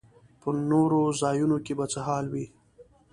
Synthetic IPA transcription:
pənoɾozɑjunokebat͡səɦɑlwi

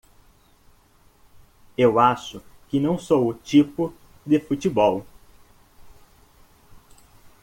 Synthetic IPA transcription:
ewaʃʊkɪnɐ̃w̃sowʊt͡ʃipʊ | d̪ɪfut͡ʃibɔw

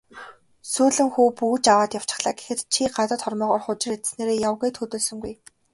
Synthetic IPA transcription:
suːɮɘ̆ŋxuːpuɣt͡ɕawaːt̪jaw̥t͡ɕɪ̥̆χɮaːɡe̥xɘ̆t̪t͡ɕʰiɢat̪ə̆t̪χɔrmɔːʁɔːrχʊt͡ɕɪ̆ret̪sneːɾeːjawɣeːt̪ʰɵt̪oːɮsɵ̆ŋɡuj

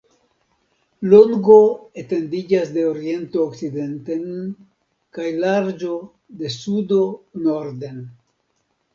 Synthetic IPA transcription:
loŋɡo̞ete̞ndid͡ʒasde̞oɾie̞ntoːkt͡side̞nte̞n | kajlaɾd͡ʒo̞ | de̞sudo̞noɾde̞n

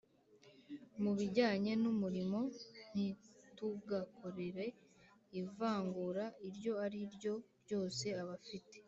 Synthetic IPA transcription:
muβiɟaːɲe̞numuɾimo̞n̥ituɡako̞ɾe̞ɾe̞ivaːŋɡuɾaʔiɾɟo̞aɾiɾɟo̞ɾjo̞ːse̞aβafite

